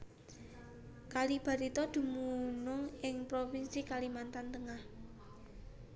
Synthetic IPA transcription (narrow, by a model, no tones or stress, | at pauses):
kalib̥a̤ɾit̪ɔd̪̥ṳmunʊŋɪŋpɾofinsikalimant̪ant̪əŋah